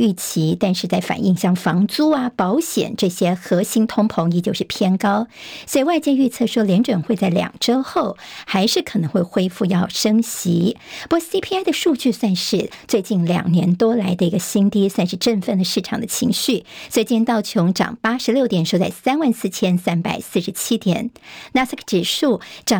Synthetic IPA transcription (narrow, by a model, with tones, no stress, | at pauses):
y˥˩t͡ɕʰi˧˥t̪a˥˧nʂɻ̩˥˧t͡sa˥˩ɪfa̰˨˩nʔi˥˧ŋɕjɑ˥˩ŋfɑ˧˥ŋt͡su˥ɐ˨pɑ˧˥ʊɕjɛ̰˨˩nʈ͡ʂɤ˥˩ɕjɛ˥xɤ˧˥ɕi˧˥ŋt̪ʰʊ˥ŋpʰo˧˥ŋjɛ˧˥˩t͡ɕjo˥˧ʊʂɻ̩˥˩pʰjɛ˥nkɑ˥ʊswɔ˧˥i˨˩wa˥˧ɪt͡ɕjɛ˥˧y˥˧t͡sʰɤ˥˩ʂwɔ˥ljɛ˧˥nʈ͡ʂwə˨˩nxwe˥˧ɪt͡sa˥˩ɪljɑ̰˨˩ŋʈ͡ʂo˥ʊxo˥˩ʊxa˧˥ɪʂɻ̩˥˩kʰɤ˨˩nɤ˧˥ŋxwe˥˩ɪxwe˥ɪfu˥˧jɑ˥˩ʊʂɤ˥ŋɕi˧˥pu˥˩si˥pʰi˥a˥ɪd̪ə˨ʂu˥˧t͡ɕy˥˧swa˥˧nʂɻ̩˥˩t͡swe˥˧ɪt͡ɕi˥˩nljɑ̰˨˩ŋnjɛ˧˥nt̪wɔ˥la˧˥ɪd̪ə˧i˧˥ɡə˧ɕi˥ŋt̪i˥swa˥˧nʂɻ̩˥˧ʈ͡ʂə˥˧nfə˥˩nd̪ə˩ʂɻ̩˥˩ʈ͡ʂʰɑ˨˩ŋd̪ə˦t͡ɕʰi˧˥ŋɕy˥˩swe˧˥ɪt͡ɕɛ˥˧nt̪ɑ˥˩ʊt͡ɕʰjo˧˥ŋʈ͡ʂɑ̰˨˩ŋpa˥ʂɻ̩˧˥ljo˥˩ʊt̪jɛ˨˩nʂo˥˧ʊt͡sa˥˩ɪsa˥nwa˥˧nsɹ̩˥˩t͡ɕʰjɛ˥nsa˥npa̰˨˩ɪsɹ̩˥˩ʂɻ̩˧˥t͡ɕʰi˥t̪jɛ̰˨˩˦nna˧˥skʰʈ͡ʂɻ̩˨˩ʂu˥˩ʈ͡ʂɑ˨˩